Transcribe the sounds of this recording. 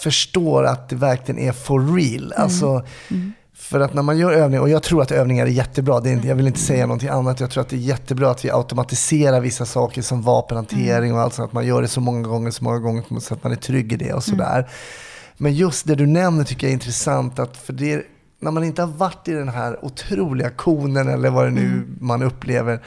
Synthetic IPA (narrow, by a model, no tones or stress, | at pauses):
fœʂʈoːɾa̰t̪̚d̪ɛvæɾklɪɡə̰nʔæɾfɔːiːla̰lsɔ | fœɾat̪næɾmanjœːɾøːvnɪŋaɔjɑːɡ̚t̪ʰɾuːɾat̪øːvnɪŋaɾæɾjɛt̪ːəbɾɑːd̪ɛɾɪnt̪jɑːɡvɪlɪnt̪əsɛjːanɔnt̪ʰɪŋanːat̪ɔjɑɡt̪ʰɾuːɾat̪̚d̪ɛːɾjɛt̪ːəbɾɑːat̪vɪʔa̰ʊt̪ʊmat̪ɪseːɾaɾvɪsːasɑːkəʂɔmvɑ̰ːpənhant̪ʰeːɾɪŋɔalt̪sɔnat̪manjœːɖɛsɔmɔŋːaɡɔŋːəʂɔmɔ̰ŋːaɡɔŋːəɾpʰsɔat̪manæʈʰɾʏɡːɪd̪ɛ̰ɔ̰sɔd̪æ̰ːɾ | mɛnjɵst̪̚d̪ɛd̪ɵnɛmnəʈʰʏkːəjaɛɾɪnt̪ɾɛsant̪at̪fœɖɛæ | næɾmanɪnt̪əhaɾvaʈːɪd̪ɛnɦæɾʊt̪ʰɾuːlɪɡakʰuːnənɛ̰lːəɾvad̪ɛnʉ̟̰ːmanɵpːlḛːvəɾ